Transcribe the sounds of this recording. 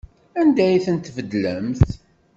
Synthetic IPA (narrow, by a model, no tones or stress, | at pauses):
ænd̪æjθənt̪ːvəd̪ləmθ